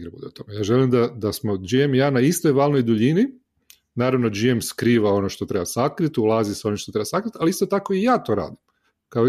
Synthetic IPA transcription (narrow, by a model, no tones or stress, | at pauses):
ɡɾebṵd̪eut̪o̞mejaːʒelimd̪ad̪asmod͡ʒiemjaːnaist̪o̞jʋaːlnojd̪uʎini | naːɾaʋno̞d͡ʒiemskɾiːʋao̞noʃt̪ot̪ɾe̞basakɾit̪ulˠaːziseo̞nimʃt̪ot̪ɾebasakɾit̪aliist̪ot̪ako̞ijaːt̪o̞ɾa̰ːd̪im | kao